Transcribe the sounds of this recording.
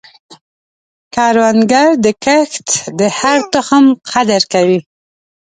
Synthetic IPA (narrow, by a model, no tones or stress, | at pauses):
kɑɾwanɡaɾd̪əkaxt̪d̪əhaɾt̪ʊxəmqad̪əɾkawi